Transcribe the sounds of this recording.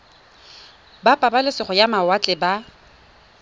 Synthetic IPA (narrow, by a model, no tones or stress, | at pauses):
bapʼabalɪsɪχɔjamawat͡ɬʼɪba